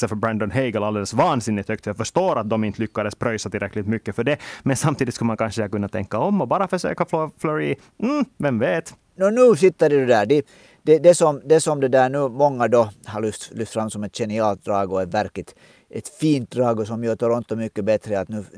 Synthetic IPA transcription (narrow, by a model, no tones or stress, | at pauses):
səfœɾbɾænd̪ɔnɦɛɪɡəlald̪eːləsvɑːnsɪnːɪt̪hœkt̪fœjɑfœʂt̪oːɾat̪̚d̪ɔmɪnt̪əlʏkːad̪əspʰɾœʏsat̪ɪlɾɛkːlɪt̪mʏkːəfœɖɛmɛnsamt̪iːd̪ɪt̪skɵləmankʰanʂəɛakɵnːat̪ʰɛ̰ŋkːaɔmːɔbɑːɾafœʂø̰ːkafloflɔɾi | m̩vɛmveːt̪ | nɔnʉːsɪt̪ːəɾɛd̪ɛd̪æːɖɛ | d̪̥ɛd̪ɛsɔmd̪ɛsɔmd̪ɛd̪æːɳʉːmɔŋːad̪ɔhɑɾlʏft̪lʏft̪fɾamːsɔmɛt̪ɕɛnɪɑːlt̪̚d̪ɾɑːɡʊɛvæɾklɪt̪ | ʔɛt̪fiːnt̪̚d̪ɾɑːɡʊsɔmjøːt̪ɔɾɔnt̪ɔmʏkːəbɛt̪ɾəat̪nʉː